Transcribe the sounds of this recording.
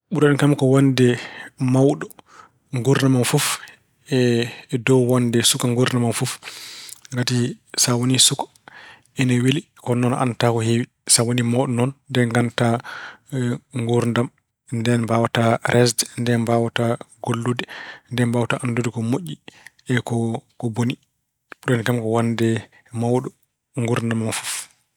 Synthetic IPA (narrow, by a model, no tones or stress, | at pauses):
ɓuɾaɗɛnkamkɔwandɛmawɗɔ | ŋɡuɾnamanfuf | ɛdɔwwandɛsukaŋɡuɾnamanfuf | ŋɡatisawonisukḁ | ɛnaweli | kɔnɔnʔa̰ntakɔhewi | sawonimɔwɗɔnɔnːdɛnɡanta | ŋɡuɾndam | ndɛnbawataɾʔɛsdndɛnbawataɡolːudɛndɛnbawtaʔandudɛkɔmoʔːi | ɛkɔkɔboni | ɗɔnkamkɔwandɛ | mawɗɔ | ŋɡuɾndamanfuf